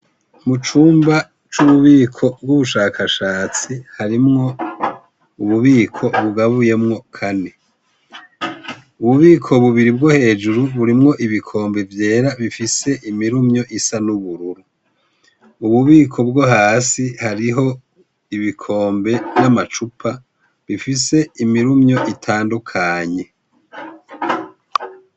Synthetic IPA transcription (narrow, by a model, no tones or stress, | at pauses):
mut͡ʃuːmba | t͡ʃuβuβiːkʰo̞bɡuβuʃaːkʰaʃaːt͡sihaɾimŋo̞ | uβuβiːkʰo̞βuɡaβuje̞mŋo̞kʰane̞ | uβuβiːkʰo̞βuβiɾib̚ɡohe̞ːd͡ʒuɾuβuɾimŋo̞ʔiβikʰo̞ːmbe̞vje̞ːɾaβifise̞ʔimiɾumɲo̞ʔisanuβuɾuɾu | uβuβiːkʰo̞bɡohaːsihaɾiɦo̞ | iβikʰo̞ːmbe̞namat͡ʃupʰa | βifise̞imiɾumɲo̞ʔitʰaːndukʰaɲe̞